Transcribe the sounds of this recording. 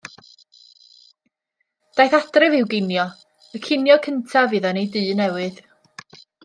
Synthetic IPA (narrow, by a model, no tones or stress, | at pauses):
d̥ajθad̥rɪvɪwɡɪnjɔ | əkʰɪnjɔkʰəntʰavɨðɔnejdɨːnɛwɨð